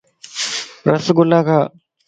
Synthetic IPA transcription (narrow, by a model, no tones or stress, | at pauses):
ɾəsɡʊlaːkʰaː